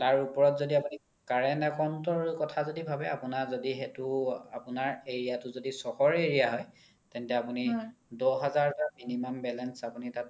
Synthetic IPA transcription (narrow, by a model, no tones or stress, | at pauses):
taɹupɔɹɔtzodiapuni | kaɹɛnɛkɔntɔɹkɔtʰazodibʱabɛapunazodiɦetʊapunaɹeɹijatʊzodisɔxɔɹeɹijaɦɔj | tɛntɛapunidɔɦazaɹtaminimɔmbɛlɛnsapunitat̚